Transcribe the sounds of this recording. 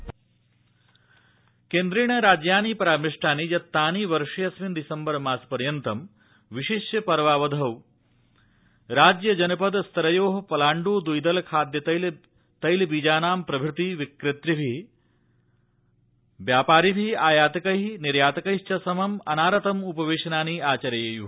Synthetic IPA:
keːnd̪ɾiːɳɐɾaːd͡ʒjaːnipɐɾaːmiʂʈʰaːniːd͡ʒɐt̪ːaːniːʋɐɾʂɐjɐsʋind̪isɐmbɐɾmaːspɐɾjɐnt̪ɐm | ʋiʃiʃjɐpɐɾʋaːʋɐd̪ʱɐw | ɾaːd͡ʒjɐd͡ʒɐnɐpɐd̪st̪ɐɾɐjoːɦɐpɐlaːɳɖuːd̪ujd̪ɐlɐkʰaːd̪jɐt̪ɐl | t̪ɐjlbiːd͡ʒaːnaːmpɾɐbʱɾut̪iʋikɾɪt̪ɾibʱi | ʋjaːpaːɾibʱiaːjaːt̪ɐkɐɦiniɾjaːt̪ɐkɐiʃt͡ʃɐsɐmɐmɐnaːɾɐt̪ɐmupɐʋeːʂɐnaːniaːt͡ʃɐɾɐjeːju

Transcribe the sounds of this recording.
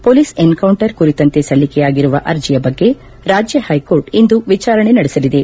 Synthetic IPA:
poːlisenkɐwɳʈɐɾkuɾit̪ɐnt̪e̞sɐlːikɛjaːɡiɾuʋɐ̰ʔɐɾd͡ʒijɐbɐɡːe̞ | ɾaːd͡ʒjɐhɐjko̞ːɾʈind̪uʋit͡ʃaːɾɐɳe̞nɐɽesɐlid̪e

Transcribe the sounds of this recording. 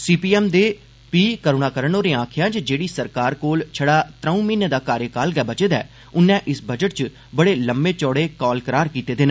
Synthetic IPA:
siːpiːɛːmd̪eː | piːkəɾoːnaːkəɾəɳoːɾẽːãːkʰjãːt͡ʃd͡ʒeːɽiːsəɾkaːɾkoːlt͡ʃʰəɽaːt̪ɾəũːmiːned̪aːkaːɾjəkaːlɡɛːbət͡ʃəd̪ɛ̰ː | ʊnːɛ̃ːʔɪsbəd͡ʒəʈ̚t͡ʃə | bəɽeːləmbeːt͡ʃɔːɽeːkɔːlkəɾaːɾkiːt̪eːd̪ɪn

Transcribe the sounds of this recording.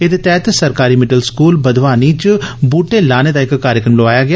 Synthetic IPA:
ed̪et̪ɛːt̪səɾkaːɾiːmɪɖəlskuːlbəd̪ʋaːniːt͡ʃbuːʈeːlaːneːd̪aːɪkkaːɾjəkɾəmloaːjaːɡɪa

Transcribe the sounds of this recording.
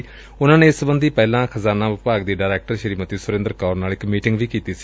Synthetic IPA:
ʊnãːnẽːɪsəbənd̪iːpɛːlãːkʰəzaːnaːʋɪpaːɡd̪iːɖaːɾɛːk̚ʈəɾʃəɾiːmət̪iːsʊɾẽnd̪əɾkaːɾnaːlɪkmiːʈɪŋɡʋiːkiːt̪iːsi̥

